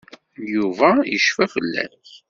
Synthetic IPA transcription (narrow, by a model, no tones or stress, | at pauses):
juvæjəʃfæfəlːæ̰ɾθ